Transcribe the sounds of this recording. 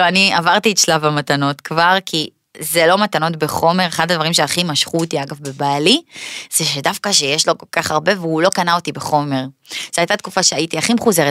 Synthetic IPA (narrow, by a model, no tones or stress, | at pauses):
uaniavaʁtietʃlavamatano̞tkvaʁkʰi | zelo̞matano̞tbeχo̞me̞ʁeχad̪advaʁimʃeaχimaʃχuot̪iaɡavbe̞baːliz̥eʃedafkaʃejeʃlo̞ko̞lkaχaʁbe̞veulo̞kanaotibeχo̞me̞ʁz̥eajtat̪̚kufaʃeajitiaχimeχuzeʁet